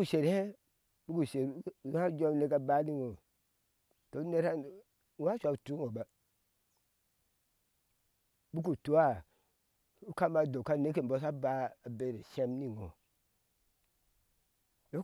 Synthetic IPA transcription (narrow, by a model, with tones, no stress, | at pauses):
u˨ʃe˨ɾhe˦ | bu˦ku˨se˨ɾha˦d͡ʒo˦ne˦ka˦ba˦ni˦ŋo˨ | to˨˦ne˦ɾa˦˨˦ | a˦ʃʷa˨u˨tu˦ŋo˨ba˨ | bu˦k̬u˨to˨˦a˦˨ | u˦ka˦ma˨do˨ka˦˨ne˦ke˨m˨bo˦s̬a˦ba˨˦a˨be˦˨ɾe˨se˦mni˨ŋo̰˨ | jo˦